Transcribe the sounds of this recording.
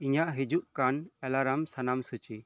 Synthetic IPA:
iɲaʔɦid͡ʒuʔkanɛlaɾamsanamsut͡ʃi

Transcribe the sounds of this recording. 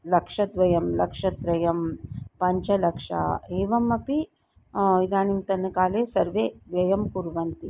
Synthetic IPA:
lɐkʂɐd̪ʋɐjɐmlɐkʂɐt̪ɾɐjɐmpɐɲt͡ʃɐlɐkʂɐ̰eːʋɐmɐpi | id̪aːnimt̪ɐnːɐkaːleːsɐɾʋeːʋjɐjɐmkuɾʋɐnt̪i

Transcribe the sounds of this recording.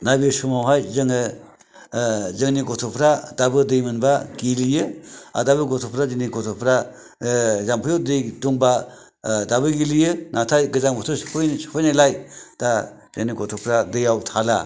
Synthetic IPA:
nabisumawɦajzɯŋɯ | zɯŋniɡɔtʰɔpʰɾad̥abɯdɯjmɯnbaɡilijɯa̰dabɯɡɔtʰɔpʰɾazɯŋniɡɔtʰɔpʰɾa | zampʰɯjodɯjduŋba | dabɯɡilijɯnatʰajɡɯzaŋbɔtʰospʰɯjnsu̥pʰɯjnalajd̥a | zɯŋniɡɔtʰɔpʰɾadɯjawtʰala̰

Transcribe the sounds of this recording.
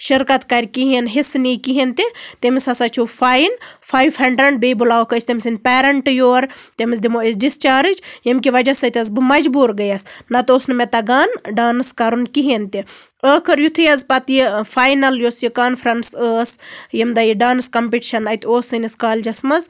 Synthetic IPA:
ʃiɾkɐt̪kɐɾʲkiɦinɦisnikiɦint̪it̪emisɐsat͡ʃʰufʰaːjnfʰaːjʋhɐɳɖɾɐɳɖ̚bebulaːwkʰɐsʰʲt̪emʲsɨnd̪̚ʲpeːɾɐɳʈjoːɾt̪emizd̪imois̬ɖist͡ʃaːɾɨd͡ʒjɐmkiʋɐd͡ʒɐsɐt̪ʲɐzbɨmɐd͡ʒbuːɾɡɐjɐsnɐt̪oːsnɨmet̪ɐɡaːnɖaːnɨskɐɾunkiɦent̪i | əːkʰɨɾjut̪ʰɨjɐzpɐt̪jifaːjnɐljoːsjikaːnfʰɾɐnsəːsjɐmd̪ajiɖaːnskɐmpiʈiʃɐnɐt̪ʲoːsɨnʲiskaːlʲd͡ʒɐsmɐz

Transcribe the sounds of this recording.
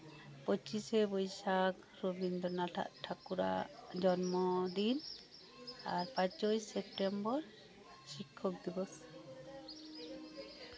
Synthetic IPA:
pɔt͡ʃisɛbɔjsak | ɾobind̪ɔnaʈʰa̰ʔʈʰakuɾa̰d͡ʒɔnmɔd̪in | aɾpãt͡ʃɔjsɛp̚ʈembɔɾ | ʃikʰːɔk̚d̪ibɔs

